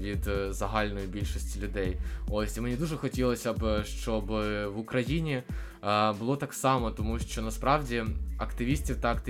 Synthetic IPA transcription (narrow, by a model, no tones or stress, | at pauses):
ʋʲid̪zɐɦɑlʲnɔjibʲilʲʃɔsʲtʲilʲʊd̪ɛjosʲimenʲid̪uʐɛxɔtʲilˠɔsʲɐbʃt͡ʃɔbʋʊkɾɐjinʲi | bʊlˠɔt̪ɑksɑmɔt̪ɔmuʃt͡ʃɔnɐspɾɑwdʲiɐkt̪ɪʋʲisʲtʲiwt̪ɐɐkt̪ɪ